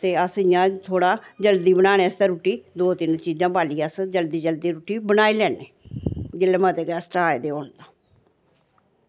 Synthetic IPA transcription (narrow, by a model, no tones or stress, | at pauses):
t̪eːəsɪjãːt̪ʰoːɽaːd͡ʒəld̪iːbənaːñeːəst̪eːɾuːʈiːd̪oːt̪ɪnt͡ʃiːd͡ʒãːbaːliːəsd͡ʒəld̪iːd͡ʒəld̪iːɾuːʈiːbənaːilɛːneːd͡ʒɪlːmaːt̪eːkɛːsʈaːed̪eːoːɳd̪aː